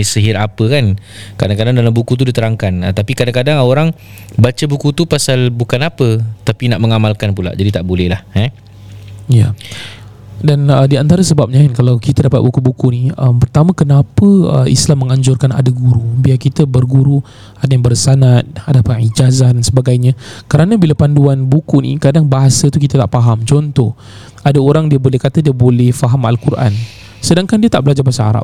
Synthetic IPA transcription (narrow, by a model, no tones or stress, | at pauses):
isəɦiɾapəkankadaŋkadaŋdalambukut̪̬udit̪əɾaŋkanət̪apikadaŋkadaŋoɾaŋ | bat͡ʃəbukut̪upasalbukanapət̪apinaʔməŋamalkanpula̰ʔd͡ʒadit̪aʔbolɛhlahɛ | ja̰ | danədiant̪aɾəsəbap̚ɲaankalawkit̪adapat̪̚bukubukuniəmpərt̪amãkənapəə̰ḭslamːə̃ŋaɲd͡ʒʊrkana̰daɡuɾubiakit̪əbərɡuɾu | adaɲaŋbərsanat̪̚adapaid͡ʒazahdansəbaɡajɲãkəɾanãbilapanduanbukunḭkadaŋbaɦasat̪ukit̪at̪aʔpaɦamt͡ʃɔnt̪ɔh | adaoɾaŋdiəbolɛhkat̪adiəbolɛhfaɦamalkurʔa̰n | sədaŋkandiət̪aʔbəlad͡ʒabasaɦa̰ɾa̰p̚